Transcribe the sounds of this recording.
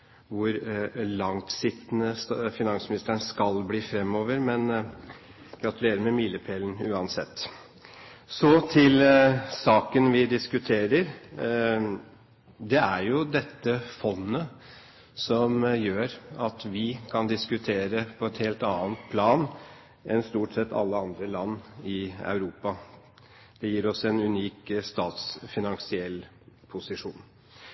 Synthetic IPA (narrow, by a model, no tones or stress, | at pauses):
ʋʊɾlɑŋt̪sɪt̪nəsfɪnɑŋsmɪnɪst̪əɳskɑlbliːfɾɛmːoːʋəɾmɛn | ɡ̥ɾɑt̪ʉleːɾəɾmɛmiːləpʰeːln̩ʉːɑnsɛ̰t̪ː | sɔt̪ʰɪlsɑːkənʋɪd̪ɪskʉt̪ʰeːɾəɾ | d̪ɛæɾjʊd̪ɛt̪ːəfɔnːə | sɔmjøːɾɑt̪ʋɪkʰɑnd̪ɪskʉt̪ʰeːɾəpʰɔɛt̪heːlt̪ɑːənt̪pʰlɑːn | ʔɛnst̪uːʈsɛt̪ʰːɑ̰lːəɑnd̪ɾəlɑnːɪɑ̰ʉɾuːpɑ | d̪̥ɛjiːɾɔsɛnʉniːkst̪ɑːt̪sfɪnɑŋsɪɛlː | pʰʊsɪʂuːn